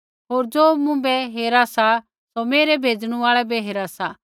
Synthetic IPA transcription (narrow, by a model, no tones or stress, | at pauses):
ɦoːɾd͡zoːmʊ̃bɛɦeːɾasa | someːɾɛbʱeːd͡zɽ̃ũaːɭɛbɛɦeːɾasa